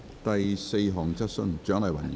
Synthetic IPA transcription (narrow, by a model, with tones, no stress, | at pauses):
t̪ɐ˨jse˧jɦɔː˨˩ŋt͡sɐ˥t̚sɵ˥ŋt͡ʃœː˨˥ŋlɐ˨˩jwɐ̰˨˩n